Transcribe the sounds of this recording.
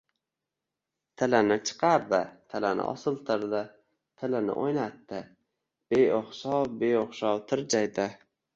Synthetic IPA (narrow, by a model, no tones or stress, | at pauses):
t̪ʰɪlanɪt͡ʃʰɨ̥qʰɑɾd̪ɪt̪ʰɪlanɪ̰ʔɒ̰sɨlˠt̪ʰɪɾd̪ɪ | t̪ʰɪlɪnɪ̰ʔojnat̪ːɪ | b̥ejoχʃɒwbejoχʃɒwt̪ʰɪɾd͡ʒajd̪ɪ